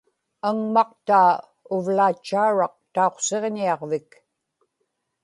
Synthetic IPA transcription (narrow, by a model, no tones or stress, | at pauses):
aŋmɑq̚t̪aː | ʊvlaːt͡ʃːaːɻɑq̚t̪aoqse̞ʁniɑʁvɪk